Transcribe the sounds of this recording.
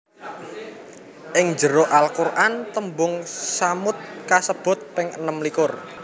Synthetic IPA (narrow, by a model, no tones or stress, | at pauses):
ʔɪŋd͡ʒəɾɔʔalkurʔant̪əmbʊŋsamʊt̪̚kasəb̥ʊ̤t̪̚pɪŋə̰nəmlikʊr